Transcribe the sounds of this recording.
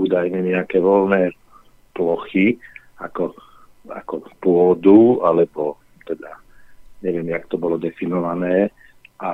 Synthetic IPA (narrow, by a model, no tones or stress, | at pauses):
uːd̪ajɲɛɲɛakɛːʋɔlnɛː | plɔxi | akɔ | a̰kɔpʊɔd̪ualɛbɔ | t̪ɛd̪a | ɲɛʋɪɛmjakt̪ɔbɔlɔd̪ɛfinɔʋanɛː | ʔa